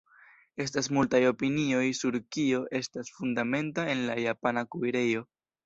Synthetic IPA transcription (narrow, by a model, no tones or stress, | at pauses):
e̞s̬tas̬multajo̞pinio̞jsuɾkio̞ʔe̞stasfundame̞ntae̞nlajapanakuiɾe̞jo̞